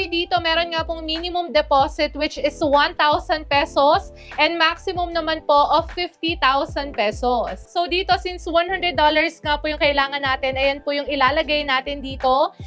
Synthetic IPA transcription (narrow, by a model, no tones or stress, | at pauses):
d̪iːt̪o̞mɛːɾonŋapʊŋminɪmʊmd̪ɛpoːsɪt̪wɪt͡ʃɪswɐ̃nt̪awsɐnd̪̚pɛsos | ʔɛnd̪̚maksɪmʊmnɐmanpoʔɐfːɪft̪it̪awsɐnd̪̚pɛːsosːod̪iːt̪o̞sinswanhand̪ɾɛd̪ːolɐɹsŋapʊjʊŋkɐʔɪlaːŋɐnːaːt̪ɪnɐjɐnpʊjʊŋɪlaːlɐɡajnaːt̪ɪnd̪iːt̪o̞